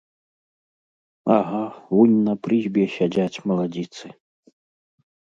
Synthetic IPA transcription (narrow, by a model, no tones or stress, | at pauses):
aɦaunʲnɐpɾɨzʲbʲɛɕʲad͡zʲat͡sʲmɐlˠad͡zʲit̪sɨ